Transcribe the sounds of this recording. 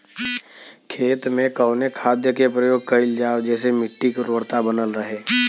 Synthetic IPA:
kʰeːt̪mẽkəːnekʰaːd̪jəkepɾəjoːɡ̚kɐɪld͡ʒaːʋd͡ʒɛːsemɪʈːikʊɾəwəɾt̪abənəlɾəɦeː

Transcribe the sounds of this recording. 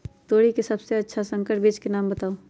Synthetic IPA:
t̪oːɽikesɐbseɐtːʃʰasɐ̃ŋkəʈbeːd͡ʒkenaːmbɐt̪aːo

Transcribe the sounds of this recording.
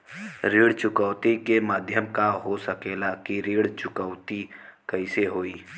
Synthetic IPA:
ɾeːɽt͡ʃʊkəːt̪ikemaːd̪ʱjəmkaɦosəkeːlakiɾeːɽt͡ʃʊkəʋt̪ikəɪseɦoːiː

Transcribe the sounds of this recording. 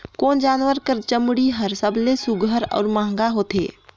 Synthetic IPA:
koːnd͡ʒaːnʋəɾkəɾt͡ʃəmɽiɦəɾsəblesuɡʱəɾɔ̰ːɾmãːŋɡaɦoːt̪ḛː

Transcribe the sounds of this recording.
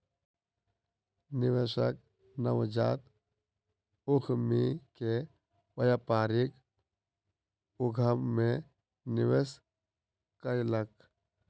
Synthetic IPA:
nɪʋeʃək̚ | nəwd͡ʒaːt̪ | ʊkʰmike | wəjapaːɾik | ʊɡʱəmːẽ | nɪʋes | kəɾlək

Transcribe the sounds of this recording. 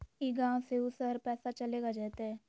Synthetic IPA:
iɡãːseʊsəɾpɛːsat͡ʃɐleːɡad͡ʒaːt̪aɦɛː

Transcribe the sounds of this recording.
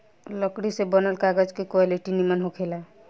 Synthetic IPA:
ləkɽisebənəlkaɡəd͡ʒkekwaliʈinimənɦokʰela

